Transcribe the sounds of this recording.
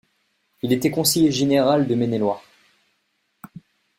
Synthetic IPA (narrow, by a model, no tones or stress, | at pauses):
ilet̪ɛkɔ̃sejeʒeneʁald̪əmenelwaʁ